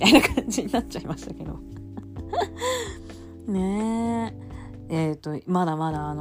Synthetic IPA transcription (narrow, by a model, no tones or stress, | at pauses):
t̪ainakʰãɲ̟d͡ʑiɲ̟inatt͡ɕaimaɕt̪ake̞d̪o̞̰ | ne | eːt̪ːo̞mad̪amad̪aːno